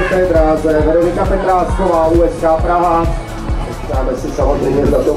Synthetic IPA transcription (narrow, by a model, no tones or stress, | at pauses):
pɛd̪ɾaːzɛvɛɾolɪkapɛt̪ɾaːskoʋaːʔuːɛskaːpɾaɦa | ɛst̪aːbɛsɪsamozrɛjmɛd̪ad̪o